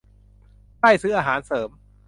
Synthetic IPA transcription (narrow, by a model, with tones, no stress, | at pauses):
kla˥˩jsɯː˦˥ʔaː˧ɦaː˩˦nsɤː˩˦m